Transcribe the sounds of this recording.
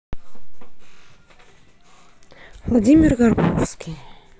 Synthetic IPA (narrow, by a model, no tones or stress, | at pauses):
vlˠadʲimʲɪrɣɐrbofskʲij